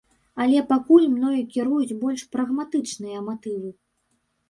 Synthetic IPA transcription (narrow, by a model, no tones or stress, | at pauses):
ɐlʲɛpakulʲmnɔjɐkʲiɾujut͡sʲbɔlʲʂpɾɐɣmat̪ɨt͡ʂnɨjɐmat̪ɨvɨ